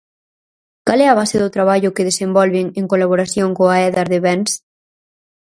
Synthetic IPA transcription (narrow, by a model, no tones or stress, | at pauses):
kalɛaβ̞aseðot̪ɾaβaʎʊkeðesembɔlβeŋeŋkolaβoɾaθjoŋkoaɛðaɾðeβɛns